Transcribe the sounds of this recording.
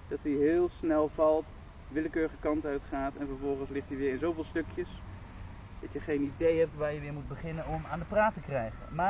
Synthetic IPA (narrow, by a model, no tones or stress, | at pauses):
d̥ɑtiɦɪːlˠsnɛlˠvɑlˠt | ʋɪləkøːɹəχəkɑntœɥtχaːtɛnvəɹvɔlˠχənslɪχtiʋɪːɹɪnzowvɪːlˠstøkʰjəs | d̥ɑtjəχejnidejɦɛp̚tʋaːɹjəʋɪːɹmud̚bəχɪnənɔmaːndəpraːtəkrɛjχə̰maː